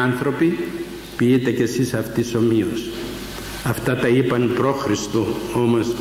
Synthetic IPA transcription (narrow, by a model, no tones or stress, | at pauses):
ɐnθɾo̞pi | piit̪e̞ce̞sisɐft̪iso̞mios | ɐft̪ɐt̪ɐipɐnpɾo̞xɾist̪oo̞mo̞s